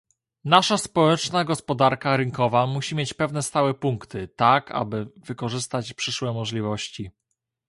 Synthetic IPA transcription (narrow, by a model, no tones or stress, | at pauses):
naʂaspɔwɛt͡ʂnaɡɔspɔd̪aɾkaɾɘŋkɔvamuɕimʲjet͡ɕpɛvn̪ɛst̪awɛpuŋkt̪ɘt̪akʰa̰bɘvɘkɔʐɘst̪at͡ɕpʂɘʂwɛmɔʐlʲivɔɕt͡ɕi